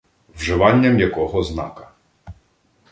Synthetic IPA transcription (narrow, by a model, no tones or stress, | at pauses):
wʒɪʋɑnʲːɐmjɐkɔɦɔznɑ̰kɐ̥